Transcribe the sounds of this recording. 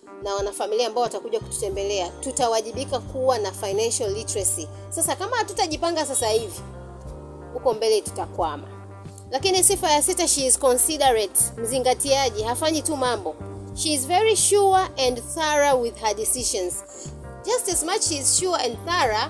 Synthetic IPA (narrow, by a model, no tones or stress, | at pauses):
nawanafamiliaːmbaɔwatakuʄaku̥tu̥tɛmbɛlɛatutawaʄiɓikakuwanafajnanʃalːitɹasi | sasakamahatutaʄipaŋɡas̬asahivi | hukɔmbɛlɛtu̥takwama̰ | lakinisifajasitaʃizkɔnsiɗɛɹɛtm̩ziŋɡatiaʄihafaɲitumambɔʃizvɛɹiʃuaʔɛndθaɹawiðhəɗisiʃɔ̃nz | d͡ʒastɛzmat͡ʃʃizʃuaɛ̃ndθaɹa